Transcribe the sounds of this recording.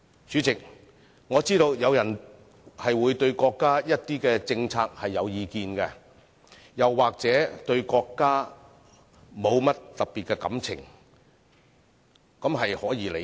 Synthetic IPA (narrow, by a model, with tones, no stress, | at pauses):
t͡syː˨˥t͡sɪ˨k̚ | ŋɔː˨˧t͡siː˥t̪o˧wjɐ˨˧wjɐ˨˩n | hɐ˨jwuː˨˧jt̪ɵ˧ɥkɔː˧kːaː˥jɐ˥t̚t̪iː˥kɛː˧t͡sɪ˧ŋt͡sʰaː˧k̚hɐ˨jːɐ˨˧wjiː˨˧kiː˨˧nkɛ˧ | jɐ˨˩wːaː˨k̚t͡sɛː˨˥t̪ɵ˧ɥkɔː˧kːaː˥ | mo˨˧wmɐ˥t̚t̪ɐ˨p̚pːiː˨˩t̚kɛ˧kɐ̰˨˥mt͡sʰɪ̰˨˩ŋ | kɐ˨˥mɦɐ˨jhɔː˨˥jiː˨˧˥le˨